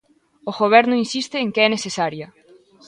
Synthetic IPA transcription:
oɣoβ̞ɛɾnʊinsist̪ɪːŋkeɛnesesaɾjɐ

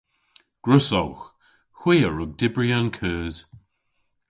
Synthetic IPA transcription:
ɡ̥ɹʊsɔlx | hwiːəɹʊɡ̚dɪbɹiankʰəːz̥

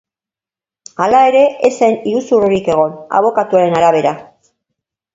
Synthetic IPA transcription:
alae̞ɾe̞eseniɾusuroɾike̞ɣ̞o̞na̰β̞o̞kat̪uaɾe̞naɾaβ̞e̞ɾa

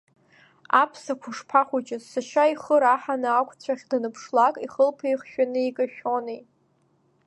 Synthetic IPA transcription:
apʰsakʷʰʊʂpʰaχʷut͡ʃʼɪzsaʃaiχəɾaħanɨakʷʰʼt͡ɕʷʰaχʲdanɨpʰʂlakʼiχəlpʰejχʃᶣanɨikʼaʃʲᶣonej

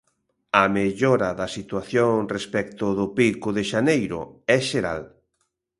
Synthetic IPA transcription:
ɐmeʎoɾɐðɐsit̪waθjoŋrespɛk̚t̪ʊðʊpikʊðeʃanejɾʊ̰ɛʃeɾa̰l

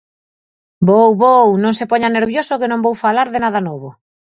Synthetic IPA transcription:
bowβownõŋsepoɲaneɾβjosokenõmbowfalaɾðɪnaðanoβo

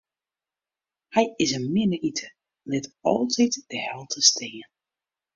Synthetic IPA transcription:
hɛjɪsənmɪnəʔitʰə | lɪtɔ̰lˠtʰitd̥əhɛlˠtʰəstʰeːən

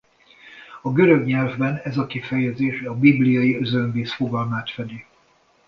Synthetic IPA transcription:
ɒɡøɾøɡɲɛlvbɛnɛzɒkifɛjɛzeːʃɒbiblijɒjiøzømbeːsfo̞ɡɒlmaːt̪fɛd̪i

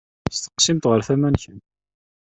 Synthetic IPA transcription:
st̪ə̥qːsimt̪ʁəɾθæmænçən

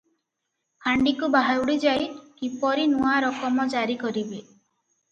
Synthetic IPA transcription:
hʰaɳɖikubaɦawɽid͡ʒajkipɔɾinuaɾɔkɔmɔd͡ʒaɾikɔɾibe

